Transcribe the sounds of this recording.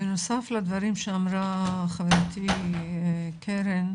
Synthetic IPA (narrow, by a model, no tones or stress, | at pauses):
enosaflad̪vaɾimʃeamɾaχaveɾt̪ʰi | kʰeɾen